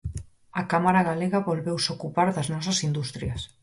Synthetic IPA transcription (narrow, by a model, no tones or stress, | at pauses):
ɐkamaɾaɣaleɣɐβolβewsokupaɾðɐznɔs̬ɐsind̪ust̪ɾjɐs